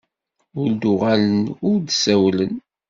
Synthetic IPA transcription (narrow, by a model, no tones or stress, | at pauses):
ʊɾd̪ʊʁalənʊɾd̪sæwlən